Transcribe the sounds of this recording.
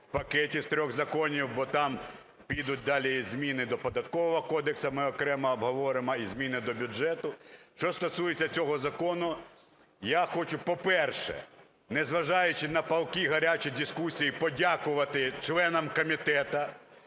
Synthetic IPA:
pɐkɛtʲist̪ɾʲɔɣzɐkɔnʲiwbɔt̪ɑm | pʲijd̪ʊt̚ʲd̪ɑlʲizʲmʲinɪd̪ɔpɔd̪ɐt̪kɔʋɔɦɔkɔd̪eksɐmɪɔkɾɛmɐɔbɦɔʋɔɾɪmɔizʲmʲinɪd̪ɔbʲʊd͡ʒɛt̪ʊʃt͡ʃɔst̪ɔsujet͡sʲːɐt͡sʲɔɦɔzɐkɔnʊ | jaxɔt͡ʃʊpɔpɛrʃɛ̰ | nɛzʋɐʒɑjʊt͡ʃɪnɐpɐlˠkʲiɦɐɾʲat͡ʃijd̪ʲiskusʲijipɔdʲakʊʋɐt̪ɪt͡ʃlˠɛnɐmkɔmʲit̪ɛt̪ɐ

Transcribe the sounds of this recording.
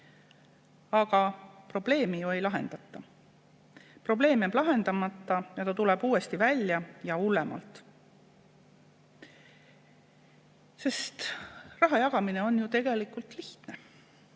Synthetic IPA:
ɑɡ̥ɑpro̞ble̞ːmijue̞jlɑɦe̞̰nd̪̥ɑt̪ːˑɑ | pro̞ble̞ːmeblɑɦe̞nd̪̥ɑmɑt̪ːˑɑjɑt̪ɑt̪ule̞b̥uːwe̞st̪ivælʲjɑjɑulːemɑ̰lt̪ˑ | se̞st̪rɑɦɑjɑɡ̥ɑmine̞o̞njut̪e̞ɡ̥e̞likˑult̪liht̪ne̞

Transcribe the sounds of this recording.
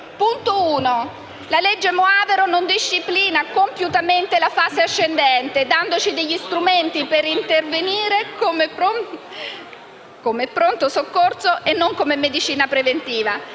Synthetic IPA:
punt̪ouːno | laled͡ʒːemoaːveɾonond̪iʃːipliːnakompjut̪ament̪elafaːseaʃːend̪ɛnt̪ed̪and̪ot͡ʃid̪eʎːist̪ɾument̪ipeɾint̪erveniːɾekomeo | komeɛpːɾont̪osokːorsoʔenːoŋkomemed̪it͡ʃiːnapɾevent̪iːva

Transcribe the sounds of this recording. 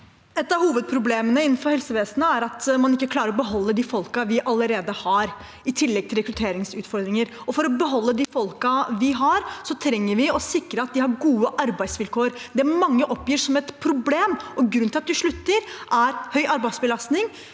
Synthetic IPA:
ɛt̪ːɑhuːʋəd̪̚pʰɾʊbleːmənəɪnːn̩fɔɾhɛlsəʋeːsənəæɾɑt̪mɑnɪkːəkʰlɑːɾəɾɔbəɦɔlːəd̪ɪfɔlkɑʋɪʔɑlːəɾeːd̪əhɑɾ | ɪt̪ʰɪlːɛɡ̚t̪ʰɪlɾɛkɾʉt̪ʰeːɾɪŋsʉːt̪fɔɾd̪ɾɪŋəɾ | ɔfɔɾɔbəɦɔlːəd̪ɪfɔlkɑʋɪɦɑɾsɔt̪ʰɾɛŋːəɾʋɪɔsɪkːɾəɑt̪̚d̪ɪhɑɾɡuːəʔɑɾbæɪd̪sʋɪlkʰoːəɾd̪ɛæmɑŋːəʔɔpːjiːʂɔmɛt̪pʰɾʊbleːmɔɡɾʉnɪɑt̪̚d̪ʉʂɭʉt̪ːəɾʔæɾhœʏʔɑɾbæɪ̥sbəlɑst̪nɪŋ

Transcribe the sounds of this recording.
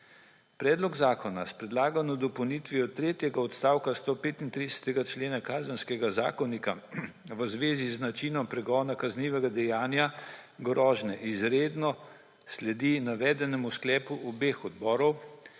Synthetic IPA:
pɾɛːd̪lɔɡzaːkʰɔna̰spɾɛd̪laːɡanɔd̪ɔpɔwniːt̪ʋiɔt̪ɾeːt̪jɛɡaɔt̪st̪aːwkast̪oːpeːt̪int̪ɾid̪ɛsɛ̥t̪ɛɡat͡ʃleːnakaːzənskɛɡaza̰ːkɔnikaʋəzʋeːziznat͡ʃiːnɔmpɾɛɡɔːnakazniːʋɛɡad̪ɛjaːnjaɡɾɔːʒnɛʔizɾed̪nɔ | slɛd̪inaʋɛːd̪ɛnɛmusklɛːpuʔɔbeːxɔd̪bɔːɾɔw

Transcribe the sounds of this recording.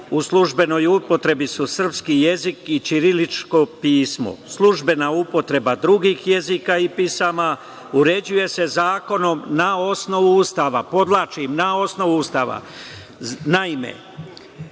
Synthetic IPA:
uslˠuʒbe̞no̞jupo̞t̪ɾe̞bisusr̩pskije̞zikit͡ʃiɾilit͡ʃko̞piːsmo̰slˠuʒbe̞naupo̞t̪ɾe̞bad̪ɾuɡiːxje̞zikaipisama | uɾe̞d͡ʑuje̞se̞zaːko̞no̞mnao̞sno̞ʋuust̪aʋapo̞d̪laːt͡ʃimnao̞sno̞ʋuust̪aːʋa̰ | naime̞̰

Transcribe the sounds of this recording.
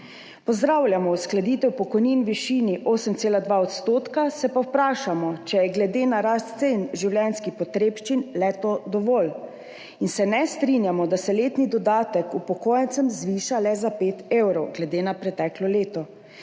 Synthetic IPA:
pɔzd̪ɾaːwljamɔusklad̪iːt̪ɛwpɔkɔjniːnʋiʃiːniʔoːsəmt̪seːlad̪ʋaɔt̪st̪oːt̪kasɛpawpɾaːʃamɔt͡ʃɛjɛɡlɛd̪eːnaɾast̪sɛinʒiwljɛnskixpɔt̪ɾeːpʃt͡ʃinlɛt̪od̪ɔʋoːl | insɛnɛst̪ɾinjamɔd̪asɛleːt̪nid̪ɔd̪aːt̪əkupɔkoːjənt̪səmzʋiːʃalɛzapeːt̪ewɾɔwɡlɛd̪eːnapɾɛt̪ɛklɔleːt̪ɔ

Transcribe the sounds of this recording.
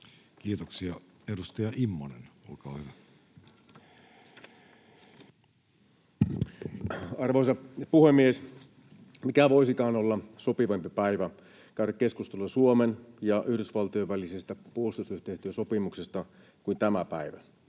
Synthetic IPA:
kiːt̪oksiɑedust̪ɑjɑʔimːonenolkɑːhyʋæ | ɑrʋoisɑpuhemːies | mikæʋo̞isikɑːnolːɑsopiʋɑmpipæiʋæ | kæyɾækːe̞skust̪elːɑsuomenjɑʔyhdysʋɑlt̪ioʋælisest̪æpuolst̪usyht̪eist̪yøso̞pimuksest̪ɑ | kuint̪æmæpæiʋæ

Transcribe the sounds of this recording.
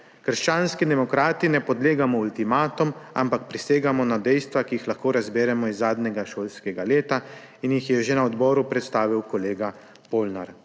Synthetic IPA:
kəɾʃt͡ʃaːnskid̪ɛmɔkɾaːt̪inɛpɔd̪leːɡamɔult̪imaːt̪ɔma̰mpak̚pɾiseːɡamɔnad̪ɛjst̪ʋakijixlaxkoːɾazbeːɾɛmɔizːaːd̪nɛɡaʃoːlskɛɡaleːt̪a | injixjɛʒenaɔd̪bɔːɾupɾɛt̪st̪aːʋiwkɔleːɡa | poːlnaɾ

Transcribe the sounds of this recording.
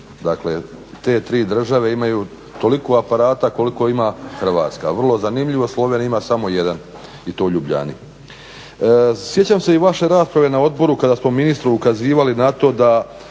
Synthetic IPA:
d̪akle̞ | t̪e̞t̪ɾiːd̪r̩ʒaʋe̞imajuː | t̪o̞likoapaɾaːt̪ako̞liko̞imaxr̩ʋa̰ːt̪ska̰ʋr̩lˠo̞zanimʎiʋo̞slˠo̞ʋenimaːsamo̞je̞d̪an | it̪o̞ʎubʎa̰ːnḭ | sje̞t͡ɕamse̞iʋaʃe̞ɾaːspɾaʋe̞nao̞d̪̚bo̞ɾukad̪asmominist̪ɾuukaziːʋalinat̪o̞ːd̪a

